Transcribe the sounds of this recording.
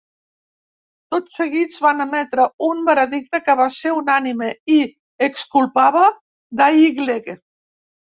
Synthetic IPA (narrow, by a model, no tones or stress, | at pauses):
t̪ot͡sːəɣizβanəmɛt̪ɾəumbəɾəðik̚t̪əkəβ̞aseunanimei | ekskulˠpaβə | d̪aiɣleɣe